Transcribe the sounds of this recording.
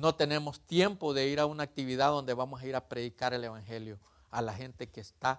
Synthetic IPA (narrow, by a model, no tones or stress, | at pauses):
no̞t̪e̞ne̞mo̞st̪je̞mpo̞ðe̞iɾaunaːk̚t̪iβið̞aðo̞nd̪e̞βamo̞saiɾapɾe̞ðikaɾe̞le̞βaŋxe̞ljo̞ | alaxe̞nt̪e̞keːst̪a